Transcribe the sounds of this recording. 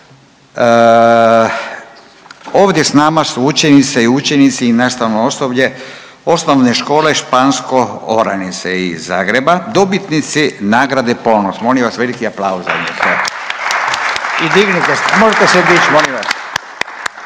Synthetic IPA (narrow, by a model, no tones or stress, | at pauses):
o̞ːʋd̪je̞snamasuut͡ʃjenit̪seiut͡ʃjenit̪siːnaːst̪aʋnoo̞sobʎe̞ | o̞snoʋne̞ʃko̞ːle̞ʃpaːnskooɾa̰nit̪seiza̰ːɡɾebad̪o̞bit̪nit̪sinaːɡɾad̪epo̞nosmo̞liʋasʋe̞likiaplauza̰net̪o | id̪iɡnit̪esmoʒet̪esed̪it͡ʃmoliʋas